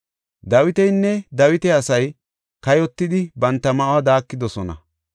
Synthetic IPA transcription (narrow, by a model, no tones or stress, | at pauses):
d̪ɐwɪt̪ɛjnːɛd̪ɐwɪt̪ɛɐsɐj | kɐjɔt̪ːɪd̪ɪbɐnt̪ːɐmɐʔwɐd̪aːkːɪd̪ɔsɔnɐ̰